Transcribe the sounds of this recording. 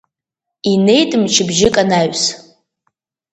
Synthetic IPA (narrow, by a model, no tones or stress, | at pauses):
ine̞jtʼɨmt͡ʃʰɪbʒɪkʼanaɥs